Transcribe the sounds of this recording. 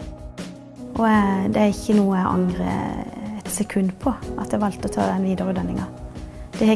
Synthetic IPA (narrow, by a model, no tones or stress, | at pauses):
ʔɔd̪ɛæʁɪçːənuːəæɪʔɑ̰ŋʁə̰ɛt̪sɛkʰʉnpʰɔʔɑt̪d̪æʋɑlt̪ɔt̪ʰɑ̰ːd̪ɛnʋiːd̪əʁʉd̪ɛnːɪŋɑ | d̪̥ɛhɛ